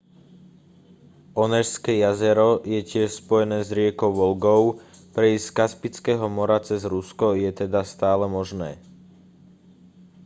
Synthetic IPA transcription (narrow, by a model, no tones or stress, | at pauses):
ʔɔnɛʃskɛjazɛɾɔjɛcɪɛʃspɔjɛnɛːzɾɪɛkɔʊʋɔlɡɔʊpɾɛiskaspit͡skɛːɦɔmɔɾat͡sɛzɾuskɔjɛt̪ɛd̪ast̪aːlɛmɔʒnɛː